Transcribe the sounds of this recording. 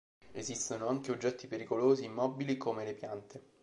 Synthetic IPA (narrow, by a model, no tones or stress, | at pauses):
ezist̪onoaŋkeod͡ʒːɛt̪ːipeɾikoloːziːmːɔbilikomelepjant̪e